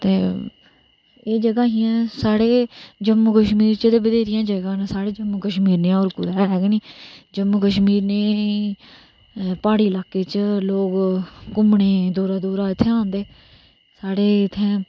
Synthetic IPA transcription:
t̪ḛː | eːd͡ʒəɡaːɦiːãːsaːɽeːd͡ʒəmːuːkəʃmiːɾt͡ʃəd̪eːbəd̪eːɾɪjãːd͡ʒəɡãːnasaːɽeːd͡ʒəmːuːkəʃmiːɾnẽoːɾkʊɾaːɦɛːɡniːd͡ʒəmːuːkəʃmiːɾneː | paːɽiːlaːkːeːt͡ʃloːɡkʊmɳeːd̪uːɾaːd̪uːɾaːɪt̪ʰːeːãːnd̪eː | saːɽeːɪt̪ʰːeː

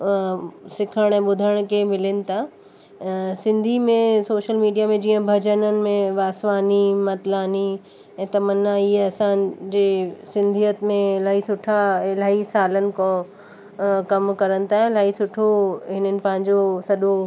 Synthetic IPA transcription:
sɪkʰəɽ̃ɛ̃ːɓʊd̪ʱəɽ̃kʰemɪlɪnɪ̆t̪ʰa | sɪ̃nd̪ʱimẽsoːʃəlmiːɖijamẽd͡ʑiːə̃bʱɐd͡ʑənənɪ̆mẽʋaːsʋaːnimɐt̪laːni | ɛ̃ːt̪ɐmənːaiːɐsãd͡ʑeːsɪ̃nd̪ʱijət̪mẽɪlaːɦisʊʈʰaɪlaːisaːlənɪ̆kõ | kɐmkɐɾənɪ̆t̪ʰaːɦɪ̃laːɦisʊʈʰoɦɪnənɪ̆pɐ̃ɦɪ̃ɲd͡ʑosɐɗo

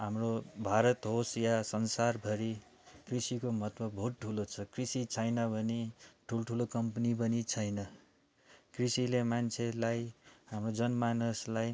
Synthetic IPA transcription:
ɦamrobʱaɾʌt̪ɦosjasʌnsarbʱʌɾi | krisikomʌt̪bʌbʱoʈ̚ʈʰulot͡sʰʌkrisit͡sʰʌjnʌbʱʌneʈʰulʈʰulokʌmpnipʌnit͡sʰʌjnʌ | krisilemant͡sʰelajɦamrod͡zʌnmanuslaj

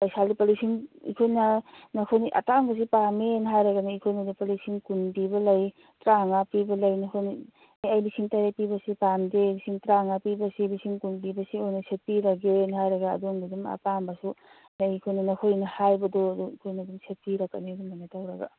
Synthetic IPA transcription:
ajsaldipalisiŋḭkʰojnɐnɐkʰojniʔa̰taŋbɐs̬ipamenɦajɾɐɡanaikʰojnadipalisiŋkunbibɐlɐj | tɾaŋapibɐlɐjnɐkʰojni | jajbisiŋtaɾepibɐsipamdebisiŋtɾaŋapibɐsilisiŋkunbibɐsiojnɐset̚piɾaɡiojenhajɾɐɡa̰ːdoŋdiduma̰pambɐsu | naikʰojnɐnɐkʰojnɐhajbɐdoɐduikʰojnɐdumset̚piɾakːa̰nedumanatawɾɐɡa̰

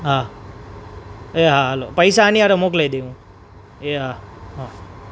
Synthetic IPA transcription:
ɦã | eɦaɦəlo̰pəjsaːniaɾomoklajd̪eʋũ | eɦaɦa

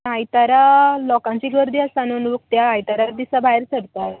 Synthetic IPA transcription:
ajt̪aɾalɔkãɲt͡ɕiɡəɾd̪iːasanunʋək̚t̪jaːjt̪aɾaɾd̪isabaeɾt͡səɽt̪aj

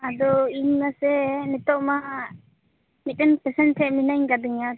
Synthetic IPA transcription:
ad̪ɔiɲnasɛnit̪ɔʔma | mitɛnpɛsɛnʈʰɛʔminajŋkad̪iŋa

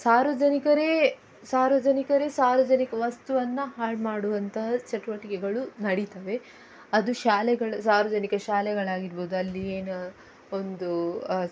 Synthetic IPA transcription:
saːɾʋɐd͡ʒɐnikɐɾe | saːɾʋɐd͡ʒɐnikɐɾeːsaːɾʋɐd͡ʒɐnikɐʋɐst̪uʋɐnːɐɦaːɭmaːɽuʋɐnt̪ɐɦɐt͡ʃɐʈuʋɐʈikɛɡɐɭunɐɽit̪ɐʋe̞ | ɐd̪uʃaːlɛɡɐɭɐsaːɾʋɐd͡ʒɐnikɐʃaːlɛɡɐɭaːɡiɾbo̞ːd̪uɐlːieːnɐ | o̞nd̪u

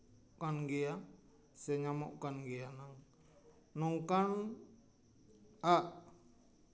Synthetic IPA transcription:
kanɡea | sɛɲamɔʔkanɡeanaŋ | nɔŋkan | aʔ

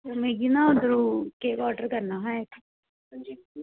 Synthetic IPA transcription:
omeːɡinãod̪ɾuːkeːkɔːɖəɾkəɾnaːɦɛe | d͡ʒ

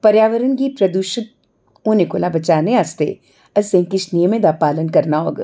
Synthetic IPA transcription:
pɐɾjaːʋəɾənkipɾɐd̪uʃɪt̪̚ | oːnekolabɐt͡ʃaːneaːst̪ḛ | ɐsẽŋkɪʃnijəmẽd̪aːpaːlənkɐɾnao̰ːɡ

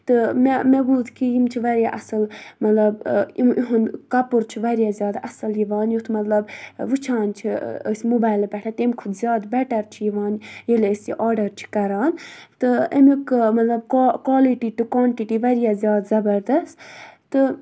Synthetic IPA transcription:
t̪ɨmemebuːd̪kʰijimt͡ʃʰiʋɐɾʲjaʔɐsɨlmɐt̪lɐbiiɦunkɐpuɾt͡ʃʰiʋɐɾjazjaːd̪ɐsɐljiʋaːnjut̪ʰmɐt̪lɐbʋɨt͡ʃʰãːnt͡ʃʰḭsmubaːjlbʲɛʈʰat̪imkʰud̪zʲjaːd̪bɛʈɐɾt͡ʃʰijiʋaːnjiləsḭʔaːɾɖɐɾt͡ʃʰi̥kɐɾaːnt̪ɨemikmɐt̪lɐb̚kːkwaːliʈiʈɨkʋaːɳʈiʈiʋɐɾʲjazʲjaːd̪zɐbɐɾd̪ɐst̪t̪ɨ

